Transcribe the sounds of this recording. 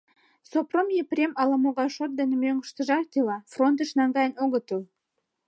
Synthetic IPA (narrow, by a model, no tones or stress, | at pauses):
sopromjeprʲemɑlɑmoɣɑʃot̪̚d̪enʲəmøŋɡəʃt̪ə̆ʒɑrt̪ʲilɑfront̪̬ə̆ʃnɑŋɡɑjənoɣə̆t̪əl